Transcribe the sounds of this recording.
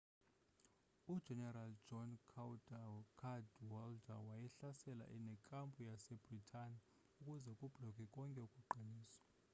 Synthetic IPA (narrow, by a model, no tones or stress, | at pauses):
ud̥ʒ̥ʱɛnɛrald͡ʒɔnkʰwdkʰadwɔldawajɛɬasɛla̰ʔɛnɛkʼampʼujasɛb̥ʱritʰʼani | ukʼuzɛkʼub̥ʱlɔkʼɛkʼɔŋkʼɛukʼuɡ͡ǃʱiniːsɔ̥